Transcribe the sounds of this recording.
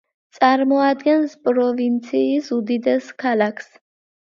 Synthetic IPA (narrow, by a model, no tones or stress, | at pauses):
t̪sʼaɾmɔad̪ɡɛnspʼɾɔvint̪sʰiːsud̪id̪ɛskʰalakʰs